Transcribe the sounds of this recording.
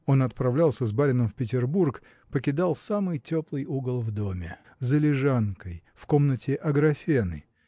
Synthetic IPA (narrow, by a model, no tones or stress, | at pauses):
o̞nɐt̪̚pɾɐvlʲalˠsʲəzbaɾʲɪnəmfpʲɪtʲɪrburk | pəkʲɪd̪alˠsamɨjtʲoplˠɨjuɡəlˠvd̪o̞mʲɪ | zəlʲɪʐankəjfko̞mnətʲɪʔɐɡɾɐfʲenɨ̰